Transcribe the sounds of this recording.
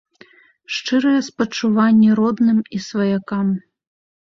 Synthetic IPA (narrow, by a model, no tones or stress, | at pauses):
ʂt͡ʂɨɾɐjɛspɐt͡ʂːuvanʲːɛɾɔd̪nɨmisvɐjakam